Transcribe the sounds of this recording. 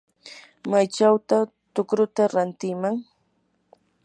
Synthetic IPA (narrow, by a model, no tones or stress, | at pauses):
majt͡ʃawt̪a | t̪ʊkɾʊt̪aɾant̪ɪmaŋ